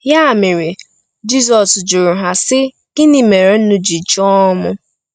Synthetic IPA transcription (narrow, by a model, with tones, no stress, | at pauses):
ja˦˨mɪ˨ɾi˨ | d͡ʒi˦zɔ˨sd͡ʒʊ˨ɾʊ˨ɦa˨sɪ˦ | ɪ˦ni˨me˨ɾe˨˦n̩˦nu˦d͡ʒi˨t͡ʃɔ˦mʊ˦